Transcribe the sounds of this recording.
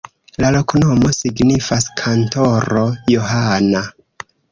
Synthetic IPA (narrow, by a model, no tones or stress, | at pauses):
lalo̞knomo̞siɡnifaskʰanto̞ɾo̞joɦana